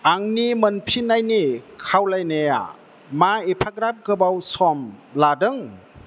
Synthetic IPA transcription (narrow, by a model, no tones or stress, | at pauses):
aŋnimɯnpʰinajnikʰawlajneja̰ | maipʰaɡɾap̚ɡɯbawsɔmladɯŋ